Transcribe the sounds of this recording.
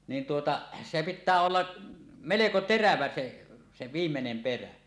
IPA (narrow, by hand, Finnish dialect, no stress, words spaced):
niːn tuotɑ se pitːæː olːɑ meleko teræʋæ se se ʋiːmːenem peræ